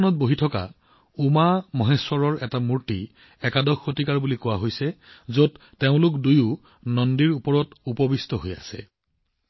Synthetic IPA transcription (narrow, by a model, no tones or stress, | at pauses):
ɔnɔt̚boɦitʰɔka̰ | umamɔɦeswɔɹɔɹɛtamuɹti | ɛkadɔxːotikaɹbulikɔwaɦojsɛzot | teʊ̃lʊkdujʊ | nɔndiɹupɔɹɔtupɔbistɔɦoja̰sɛ̰